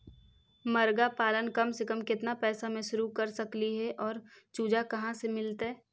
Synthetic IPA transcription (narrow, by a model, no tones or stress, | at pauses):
mɐɾɡapaːlənkɐmsekəmkɪt̪napɛːsamẽʃʊɾukɐɾsɐkliɦɛʔɔːɾt͡ʃuːd͡ʒakɐɦãsemɪlt̪ɦɛː